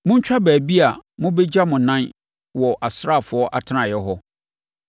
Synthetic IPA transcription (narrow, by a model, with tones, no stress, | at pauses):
mʊ̃˦ɲ̩˦t͡ɕᶣa˦bæː˨bi˦a˨mʊ̃˦be˦d͡ʑa˦mʊ̃˨nã˦n | wɔ˨ʔa˨sɾa˦˨fʊ˨ɔ˦ʔa˨tʰɪ˦nã˨jɛ˦ɦɔ˦